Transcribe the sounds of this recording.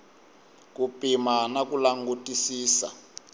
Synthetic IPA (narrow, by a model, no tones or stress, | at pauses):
kupʼimanakulaŋɡutʼisiːsa̰